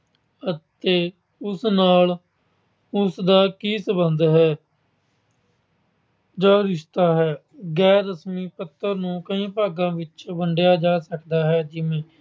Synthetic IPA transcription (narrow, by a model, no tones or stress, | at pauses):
ət̪eː | ʊsnaːl | ʊsd̪aːkiːsəbənd̪ɦɛː | d͡ʒaːɾɪʃt̪aːɦɛː | ɡɛːɾːəsmiːpət̪ːəɾnũːkəĩːpaːɡãːʋɪt͡ʃbəɳɖjaːd͡ʒaːsəkd̪aːɦɛːd͡ʒɪʋẽː